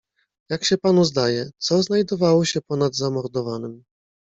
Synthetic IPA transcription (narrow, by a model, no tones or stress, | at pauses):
jakɕɛpanuzd̪ajɛt̪sɔznajd̪ɔvawɔɕɛpɔnad̪zamɔɾd̪ɔvanɘm